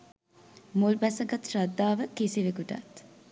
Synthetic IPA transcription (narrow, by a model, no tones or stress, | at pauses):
mulbæsɐɡɐt̪ɾɐd̪ːaːʋəkisiʋekuʈɐ̰t̪